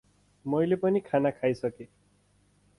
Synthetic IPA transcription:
mojlepʌnikʰanakʰajsʌke

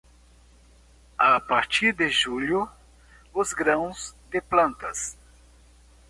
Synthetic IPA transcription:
apaɾt͡ʃiɾd̪ɪʒuʎʊ | ʊzɡɾɐ̃w̃zd̪ɪplɐ̃nt̪ɐs

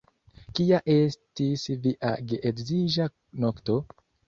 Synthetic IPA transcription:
kiaʔe̞stisviʔa̰ɡeʔekziʒa | nokto̞

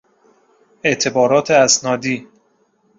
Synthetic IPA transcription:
ʔe̞ʔt̪ʰe̞bɒːɾɒːt̪ʰeæsnɒːd̪iː

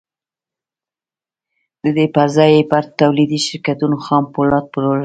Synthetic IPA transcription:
d̪̥əd̪epazɑjepaɾt̪ːawlid̪iʃɪɾkat̪unoxɑmpolɑt̪̚pəlola

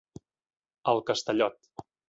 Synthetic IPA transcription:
əlˠkəst̪əʎɔt̪

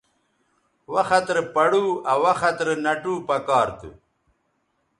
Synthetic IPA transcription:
wɐxɐt̪ɾpɐɽuːɐwɐxɐt̪ɾnɐʈuːpɐkaːɾt̪ṵ

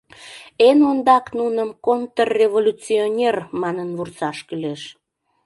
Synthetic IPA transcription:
enond̪ɑknunəmkont̪ərːevolʲut͡sionʲermɑnənvursɑʃkyleʃ

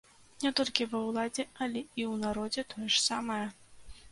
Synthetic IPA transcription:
nʲɛt̪ɔlʲkʲivɐwlˠad͡zʲɛɐlʲɛiwnaɾɔd͡zʲɛt̪ɔjɛʂsamɐjɐ

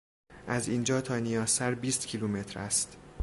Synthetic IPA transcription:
ʔæziːnd͡ʒɒːt̪ʰɒːnijɒːsæɾbiːst̪cʰilume̞t̪ʰɾæst̪

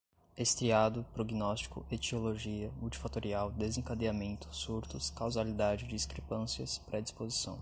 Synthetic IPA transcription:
est̪ɾiad̪ʊpɾoɡinɔst͡ʃi̥kʊ̰ʔet͡ʃioloʒiɐmuwt͡ʃi̥fat̪oɾiawd̪ezẽŋkad̪eamẽnt̪ʊ̥suɾt̪ʊskawzalid̪ad͡ʒɪd͡ʒɪiskɾepɐ̃siɐspɾʔɛd͡ʒispozisɐ̰̃w̃

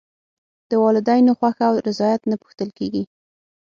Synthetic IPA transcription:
d̪̥əwɑlɪd̪ɑjnoxwaxawɾɪzɑjat̪napu̥xt̪əlkeɡi

